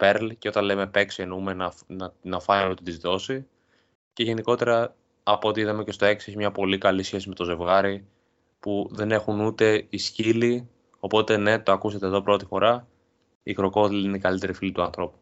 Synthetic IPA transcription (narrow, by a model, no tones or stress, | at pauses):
pe̞ɾlceo̞t̪ɐnle̞me̞pe̞ksenumenɐnɐnɐfɐnmet̪ud̪izðo̞si | ce̞ʝe̞niko̞t̪e̞ɾɐː | poot̪iiðɐme̞cest̪o̞e̞ksie̞çimɲɐpo̞likɐlisçe̞sime̞t̪o̞ze̞vɣɐɾi | puðe̞ne̞xunut̪e̞iscili | o̞po̞t̪e̞ne̞t̪oɐkuset̪eðo̞pɾo̞t̪ifo̞ɾɐ | ikɾo̞ko̞ðlineikɐlit̪e̞ɾifilit̪uɐnθɾo̞pu̥